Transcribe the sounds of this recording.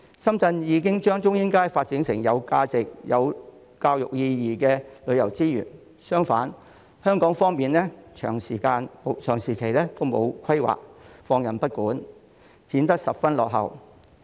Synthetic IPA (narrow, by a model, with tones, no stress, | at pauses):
sɐ˥mt͡sɐ˧njiː˨˧kɪ˥ŋt͡ʃœː˥ŋt͡ʃʊ˥ŋjɪ˥ŋkaː˥jfaː˧t̚t͡siː˨˥nsɪ˨˩ŋjɐ˨˧wkaː˧t͡sɪ˨k̚jɐ̰˨˧w | kaː˧wjʊ̰˨k̚jiː˧jiː˨˩kɛː˧lɵ˨˧ɥjɐ˨˩wt͡siː˥jy̰ː˨˩n | sœː˥ŋfaː˨˥n | hœː˥ŋkɔː˨˥ŋfɔː˥ŋmiː˨nlɛː˥t͡ʃʰœ̰ː˨˩ŋsiː˨˩kaː˧nmo˨t͡ʃʰœː˨˩ŋsiː˨˩kʰe˨˩jlɛː˥t̪o˥wmo̰˨˧wkʰɐ˥jwa̰ː˨k̚fɔː˧ŋjɐ˨˩npɐ˥t̚kuː˨˥n | hiː˨˥nt̪ɐ˥k̚sɐ˨p̚fɐ˥nlɔː˨k̚ɦɐ̰˨w